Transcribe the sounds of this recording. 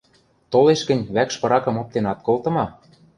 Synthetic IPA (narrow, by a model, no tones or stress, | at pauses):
t̪oleʃkɘ̆nʲβækʃpɤ̆ɾɑkɤ̆mop̚t̪enɑt̪̚kolt̪ɤ̆mɑ